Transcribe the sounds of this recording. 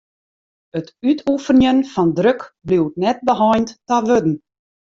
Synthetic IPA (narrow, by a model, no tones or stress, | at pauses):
ətytʰufənjənfɑndrøkbliwtnɛt̚bəɦɔjnttaʋødn̩